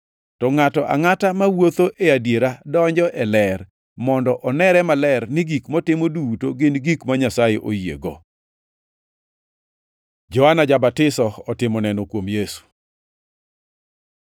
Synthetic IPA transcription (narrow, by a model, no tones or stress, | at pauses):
tɔŋatɔʔa̰ŋatamawot̪oʔɛadjeɾadɔɲd͡ʒɔʔɛlɛr | mɔndɔʔɔnɛɾɛmalɛrnɪɡikmɔtɪmodutoɡɪnɡikmaɲasajeʔojḛɡo | d͡ʒɔanad͡ʒabatɪsɔɔtɪmɔnɛnokwomjesu̥